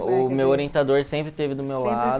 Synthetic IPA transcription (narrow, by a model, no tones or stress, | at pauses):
ʊmewoɾiẽnt̪ad̪oɾsẽmpɾɪt̪evɪd̪ʊmewla